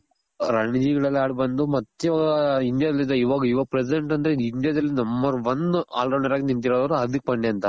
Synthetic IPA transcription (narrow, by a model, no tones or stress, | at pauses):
ɾɐɳid͡ʒiːɡɐɭɐlːiaːɽibɐnd̪umɐt̪ːjiʋaːɡɐind̪jad̪ɐlːid̪ɐiːʋaːɡɐiʋaːɡpɾes̬iɖeɳʈɐnd̪ɐɾeind̪ijad̪ɐlːinɐmbɐɾʋɐna̰ːlɾɐɳɐɾaːɡinint̪̬iɾoːd̪ɐʋɐɾuɐd̪ik̚ːbɐɳɖeɐnt̪ɐ